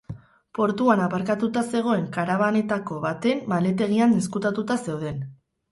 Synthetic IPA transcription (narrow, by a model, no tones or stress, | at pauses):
po̞ɾt̪uanapaɾkat̪ut̪ase̞ɣ̞o̞e̞ŋkaɾaβane̞t̪ako̞βat̪e̞mmale̞t̪̬e̞ɣ̞ianeskut̪at̪ut̪ase̞wð̞e̞n